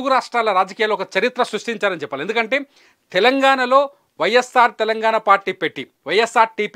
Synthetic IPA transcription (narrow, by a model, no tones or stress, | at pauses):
ɡuɾaːʂʈɾaːlɐɾaːd͡ʒɐkijaːlːoːɔkɐt͡ʃɐɾit̪ɾɐsɾuʂʈiɲt͡ʃaːɾɐnit͡ʃɛpːalend̪ukɐɳʈe̞ː | t̪ɛlɐŋɡaːɳɐlo̞ː | ʋɐjːesːaːɾt̪ɛlɐŋɡaːɳɐpaːɾʈiːpeʈːi | ʋɐjesːaːɾʈiːp